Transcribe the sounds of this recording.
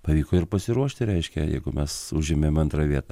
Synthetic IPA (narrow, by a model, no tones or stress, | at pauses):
pɐʋʲiːkoːɪrpɐsʲɪɾuɔʃʲt̪ʲɪɾʲɛɪʃʲkʲɛ̰jɛ̰ɪɡʊmʲɛsʊʒʲɪmʲemɐnt̪ɾɐʋʲiɛt̪ɐ